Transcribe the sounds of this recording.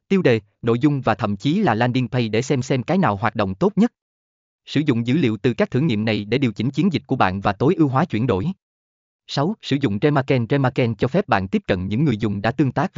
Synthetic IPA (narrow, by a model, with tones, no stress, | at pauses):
t̪i˧əwɗe˨˩ | no̰˧˨jzʊ˧ŋ͡mvaː˨˩t̪ʰə̰˧˨mt͡ɕi˨˦laː˨˩laː˧nɗi˧npʰə˧jɗe˧˩sɛ˧msɛ˧mkaː˨˦jnaː˨˩wɦwaː˨˩t̚ɗo̰˧˨wŋ͡mt̪o˦˥t̚ɲə˦˥t̚ | sɨ̰˧˩zʊ̰˧˨ŋ͡mzɨ̰˧˥lḭ˧˨əwt̪ɨ˨˩kaː˦˥k̚t̪ʰɨ˧˩ŋḭ˧˨mna˨˩jɗe˧˩ɗi˨˩əwt͡ɕï˧˦ŋt͡ɕi˨˦ənzi˨˩k̚ku˧˩əɓa̰ː˧˨nvaː˨˩t̪o˨˦jʔɨ˧wɦwaː˨˦t͡ɕwi˧˩ənɗo̰˧˩j | sa˨˦wsɨ̰˧˩zʊ̰˧˨ŋ͡mt͡ɕɛ˧maː˧kɛ˧nt͡ɕɛ˧maː˧kɛ˧nt͡ɕɔ˧fɛ˦˥p̚ɓa̰ː˧˨nt̪i˦˥əp̚kə̰˧˨nɲɨ̰˧˥ŋːɨ˨˩əjzʊ˨˩ŋ͡mɗa̰ː˧˥t̪ɨ˧əŋt̪aː˦˥k̚